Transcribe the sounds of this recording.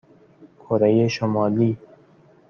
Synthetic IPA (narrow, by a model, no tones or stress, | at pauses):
kʰoɾejeʃomɑːliː